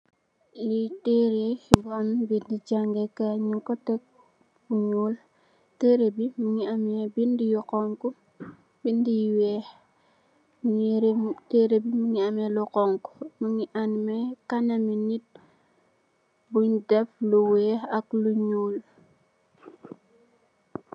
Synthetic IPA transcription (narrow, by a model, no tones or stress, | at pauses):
liteɾebɔnbindid͡ʒaŋɡɛkaɲiŋkɔtɛk̚ | buɲul | teɾebimiŋiamebindijukɔŋku | bindijwɛh | miŋɾteɾebimiŋiamɛlukɔŋku̥muŋiʔanmɛkanɐminit̚ | buɲdɛfluweakluɲuːl